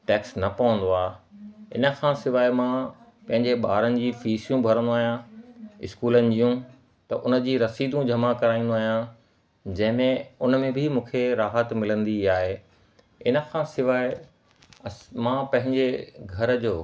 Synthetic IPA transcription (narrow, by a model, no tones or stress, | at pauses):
ʈeːksnɐpɐʋə̃nd̪oaːɪ̰nə̆kʰãsɪʋaːɪmã | pɐ̃ɦɪ̃ɲd͡ʑeɓaːɾənɪ̆d͡ʑiːfiːsijũbʱɐɾə̃nd̪oaːɦijãɪ̰skuːlənɪ̆d͡ʑijũ | t̪ɐʔʊnə̆d͡ʑiːɾɐsiːd̪ũd͡ʑʱɐmakɐɾaːĩnd̪oaːɦijã | d͡ʑɐ̃ɦɪ̃mẽʊnə̆mẽbʱɪmũːkʰeɾaːɦət̪mɪlə̃nd̪iaːɦe | ɪnə̆kʰãːsɪʋaːe | ɐsmãːpɐ̃ɦɪ̃ɲd͡ʑeɡʱɐɾəd͡ʑoː